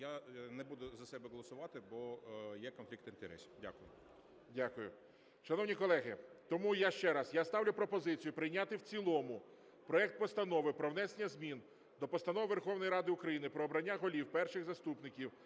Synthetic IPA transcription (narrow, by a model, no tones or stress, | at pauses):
janɛbud̪ʊzɐsɛbɛɦɔlˠɔsʊʋɑt̪ɪbɔjɛkɔnflʲikt̪int̪ɛɾɛ̰sʲi̥dʲa̰kʊjʊ̰ | dʲakʊjʊ̰ | ʃɐnɔwnʲikɔlˠɛɦɪt̪ɔmujaʃt͡ʃɛɾɐsjast̪ɑwlʲʊpɾɔpɔzɪt͡sʲijʊpɾɪjnʲat̪ɪwt͡sʲilˠɔmʊ | pɾɔɛk̚t̪̚pɔst̪ɐnɔʋɪpɾɔwnɛsenʲːɐzmʲin | d̪ɔpɔst̪ɐnɔʋɪʋerxɔwnɔjɾɑd̪ɪʊkɾɐjinɪpɾɔːbɾɐnʲːaɦɔlʲiwpɛrʃɪxzɐst̪upnɪkʲiw